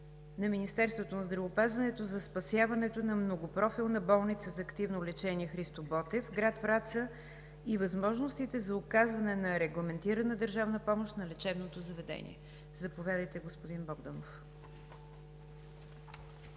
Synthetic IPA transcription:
nɐminist̪ɛɾst̪vot̪onɐzd̪ɾɐvopazvɐnɛt̪ozɐspɐsjavɐnɛt̪onɐmnoɡopɾɔfilˠnɐbɔlˠnit̪səzɐːkt̪ivnolɛt͡ʃɛniɛxɾist̪obɔt̪ɛfɡɾat̪fɾat̪sə | ivɐzmɔʒnost̪it̪ɛzɐʊkazvɐnɛnɐɾɛɡlˠɐmɛnt̪iɾənəd̪əɾʒavnəpɔmoʃt̪nɐlɛt͡ʃɛbnot̪ozɐvɛd̪ɛ̰nʲḭɛ̰ | zɐpovjad̪əjt̪ɛɡospʊd̪inbɔɡd̪ənof

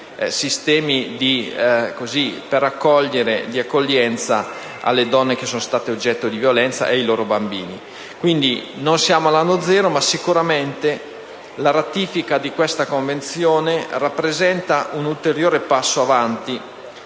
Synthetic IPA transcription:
sist̪ɛːmid̪ikozipeɾakːɔʎːeɾed̪iakːoʎːɛnt̪sa | a̰lːed̪ɔnːekesːoːnost̪aːt̪eod͡ʒːɛt̪ːod̪ivjolɛnt̪sa̰ʔeajloːɾobambiːni | kwind̪inonsjaːmoalanːod̪zɛːɾomasːikuɾament̪e | laɾat̪iːfikad̪ikwest̪akoɱvent̪sjoːnerapːɾezɛnt̪aʔunult̪eɾjoːɾepasːoavant̪i

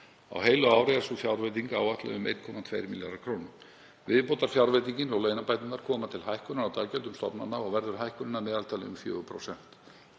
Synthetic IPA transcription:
a̰wɦejlʏaːwɾeɛɾsufjawɾvejt̪iŋka̰wat̪la̰ʏmḛjt̪̚kʰɔːmat̪ʰvejɾmilja̰ɾakʰɾownʏ | vɪðpowt̪aɾ̥fjawɾvejt̪̬iɲcɪnɔwleːjnapajt̪nɪnkːaɾ̥kʰɔːmat̪ʰɪlɦajhkʏnaɾawt̪aːlcɛlt̪ʏmst̪ɔ̰pnanːaɔɣvɛɾðʏɾ̥ɦajhkʏnɪnːamɛːðalt̪ʰaːlɪ̰ʏmfjœ̰ːɣʏpʰɾo̰wsɛn̥t̪

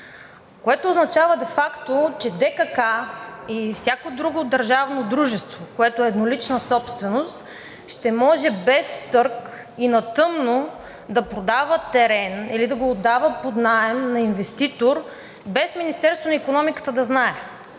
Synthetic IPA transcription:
koɛt̪oːznɐt͡ʃavəd̪ɛfakt̪ot͡ʃɛd̪ɛkəkaifsʲjakod̪ɾuɡod̪ɐɾʒavnod̪ɾuʒɛst̪vokoɛt̪oɛːd̪nolit͡ʃnəsɔpst̪vɛnost̪ | ʃt̪ɛmɔʒɛbɛst̪ɤɾk | inɐt̪ɤmno | d̪ɐpɾod̪avət̪ɛɾɛnilid̪ɐɡoːd̪ːavəpod̪naɛmnɐinvɛst̪it̪oɾ | bɛsminist̪ɛɾst̪vonɐikonɔmikə̥t̪əd̪ɐznaɛ

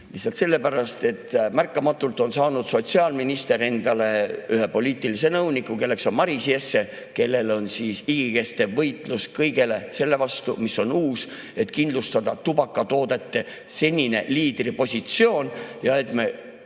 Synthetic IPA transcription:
lisːˑɑlt̪se̞lːe̞pæɾɑst̪e̞t̪ːmærkːˑɑmɑt̪ːˑult̪ˑo̞nsɑːnud̪̥so̞t̪siɑːlminist̪e̞ɾe̞nd̪̥ɑle̞yɦe̞po̞liːt̪ːˑilise̞nɤwnikːˑuke̞lːe̞kso̞nmɑɾisiesːe̞ | ke̞lːe̞lo̞nsiːsiɡ̥ike̞st̪e̞vɤjt̪ˑluskɤjɡe̞le̞se̞lːe̞vɑst̪umiso̞nuːs | e̞t̪kind̪lust̪ɑd̪̥ɑt̪ub̥ɑkːˑɑt̪o̞ːd̪e̞t̪ːe̞ | se̞nʲine̞liːd̪̥ripo̞sʲit̪sio̞ːnjɑe̞t̪me̞

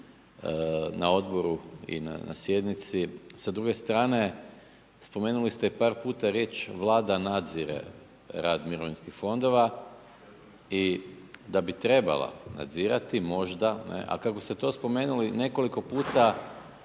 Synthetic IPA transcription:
nao̞d̪bo̞ɾuḭna̰na̰sje̞d̪nit̪sisad̪ɾuɡe̞st̪ɾaːne̞ | spo̞me̞ːnulist̪eipaːɾpuːt̪aɾjet͡ʃʋlˠaːd̪anad̪ziɾḛ | ɾaːd̪miɾo̞ʋinskixfo̞nd̪o̞ʋa | i | d̪abit̪ɾe̞ba̰lˠa̰na̰d̪ziːɾat̪imo̞ʒd̪anḛʔa̰kako̞st̪et̪o̞spo̞me̞ːnuline̞ko̞liko̞puːt̪a

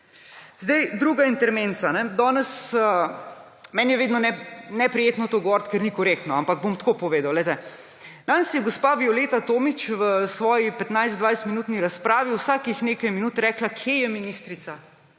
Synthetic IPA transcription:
zd̪ɛjd̪ɾuɡaint̪ɛɾment̪sanɛd̪ɔːnɛsə | mɛːnjɛʋeːd̪nɔnɛnɛpɾɛjet̪nɔt̪oɡɔʋɔːɾt̪kɛɾnikɔɾek̚t̪nɔampaɡ̚bomt̪kopɔʋeːd̪awlɛjt̪ɛ | nansjɛɡɔspabjɔlet̪at̪oːmit͡ʃʋəsʋɔːjipɛt̪najzd̪ʋajst̪minuːt̪niɾaspɾaːʋiuwsaːkixnekɐjminuːt̪ɾɛːklakʰjejɛminist̪ɾit̪sa

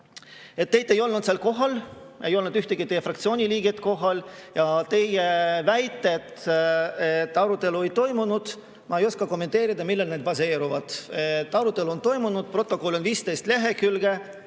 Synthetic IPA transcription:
e̞t̪ːe̞jt̪ːˑe̞jo̞lnud̪selko̞ɦɑl | e̞jo̞lnud̪yht̪eɡ̥it̪e̞jefrɑkt̪sio̞ːnʲiliːɡ̥et̪ko̞ɦɑljɑt̪e̞jevæjt̪ˑːet̪ | et̪ːˑɑɾut̪ːˑe̞luejt̪o̞jmunud̪̥ | mɑejo̞skɑko̞mːent̪ˑe̞ːɾid̪ɑmilːelned̪pɑse̞ːɾuvɑd̪̥et̪ːɑɾut̪ːˑe̞luont̪o̞jmunud̪̥̚pro̞t̪ːˑo̞ko̞lo̞nviːst̪e̞jst̪le̞ɦe̞kylɡe̞

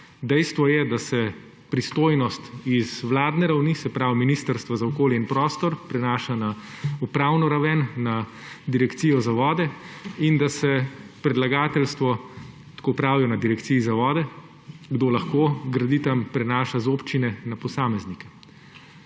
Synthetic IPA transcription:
d̪ɛjst̪ʋɔjɛd̪asɛ | pɾist̪oːjnɔst̪izʋlaːd̪nɛɾawnisɛpɾawminist̪əɾst̪ʋazaɔkoːljɛinpɾɔːst̪ɔɾpɾɛnaːʃana | upɾaːwnɔɾaʋɛnːa | d̪iɾɛkt̪sijɔzaʋɔːd̪ɛind̪asɛpɾɛd̪laɡaːt̪ɛlst̪ʋɔ | t̪kopɾaːwjɛnad̪iɾɛkt̪siːzaʋɔːd̪ɛ | ɡd̪oːlaxkoːɡɾɐd̪it̪ampɾɛnaːʃazoːpt͡ʃinɛnapɔsaːmɛznikɛ̥

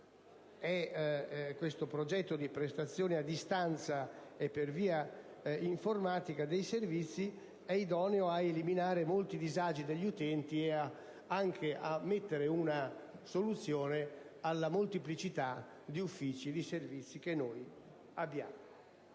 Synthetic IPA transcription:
ɛ | kːwest̪opɾod͡ʒɛt̪ːod̪ipɾest̪at̪sːjɔːnead̪ːist̪ant̪saepːerviːaiɱformaːt̪ikad̪ejservit̪sːi | ɛid̪ɔneoaeliminaːɾemolt̪id̪izad͡ʒid̪eʎːiut̪ɛnt̪iea | aŋk̟ʰeʔamːet̪ːeɾeunasolut̪sjɔːnealːamolt̪iplit͡ʃit̪a | d̪iufːiːt͡ʃid̪iservit̪sːik̟enːoj | abːjaːmo

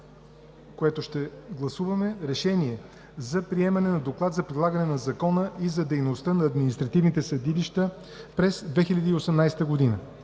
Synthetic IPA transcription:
koɛt̪oʃt̪ɛɡlˠɐsuvɐmɛɾɛʃɛniɛ | zɐpɾiɛmɐnɛnɐd̪oklˠat̪zɐpɾid̪lˠaɡənɛnɐzɐkɔnəʔizɐd̪ɛjnost̪ənɐːd̪minist̪ɾɐt̪ivnit̪ɛsɐd̪iliʃt̪ə | pɾɛsd̪vɛxilʲɐd̪iːosɛmnajst̪əɡod̪inə

